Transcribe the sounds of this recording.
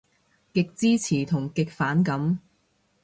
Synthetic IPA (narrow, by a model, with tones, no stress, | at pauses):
kɪ˨k̚t͡siː˥t͡sʰiː˨˩t̪ʰʊ˨˩ŋkɪ˨k̚faː˨˥nkɐ˨˥m